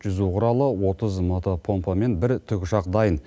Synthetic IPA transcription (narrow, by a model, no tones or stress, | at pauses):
ʒ̥ʏzuqʰʊɾɑlˠəwo̞t̪əzmo̞t̪opʰo̞mpome̞nbɪɾt̪ʰʏkʲʊʃɑqd̪ɑjən